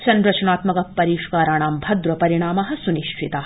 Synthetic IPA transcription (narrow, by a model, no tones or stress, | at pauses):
sɐnɾɐt͡ʃɐɳaːt̪mɐkɐpɐɾiːʃkaːɾaːɳaːmbʱɐd̪ɾɐpɐɾiɳ̃aːmɐɦɐ̆suniʃt͡ʃʰit̪a